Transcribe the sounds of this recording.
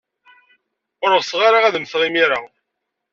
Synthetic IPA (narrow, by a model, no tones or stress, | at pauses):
ʊɾʁsʁaɾaʁæðmθʁimiɾa